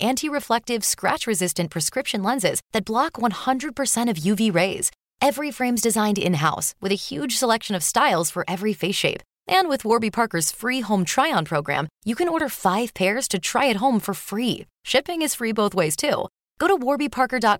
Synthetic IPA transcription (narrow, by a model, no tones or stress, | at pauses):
ʔæ̃ntʰiɹɨflɛk̚tɨv̥skɹæ̰t͡ʃɹɨzɪstɨ̃npʰɹ̥ɨskɹɪpʃɨ̃nlɛ̃nzɪ̰zðɨt̚b̥lɑkwʌ̃nhʌ̃ndɹɨd̚pʰə˞sɛ̃ɾ̃ʌvjʉviɹeɪz̥ | ɛvɹifɹẽɪ̃mzdɨzãɪ̃ndɪ̰̃nɦaʊswɨðɨhjʉd̥ʒ̥səlɛkʃɨ̃nʌv̥staɪlˠz̥fə˞ʔɛvɹifeɪsʃeɪp | ʔɨ̃nwɨðwɔɹbipʰɑɹkə˞z̥fɹiɦõʊ̃mtʰɹ̥aɪɑ̃npʰɹ̥oʊɡɹæ̰̃mjɨkɨ̃nɔɹɾə˞faɪv̥pʰɛɹz̥tʰɨtʰɹ̥a̰ɪɨt̚ɦõʊ̃ɱfə˞fɹi | ʃɪpɪ̃ŋɨz̥fɹiboʊθweɪz̥tʰṵ | ɡ̥oʊɾəwɔɹbipʰɑɹkə˞dɑt̚